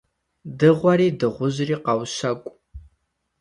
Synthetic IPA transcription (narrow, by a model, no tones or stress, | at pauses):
dɨʁʷɔɾiːdɨʁʷʊʑriːqɑwʃɐkʷʼ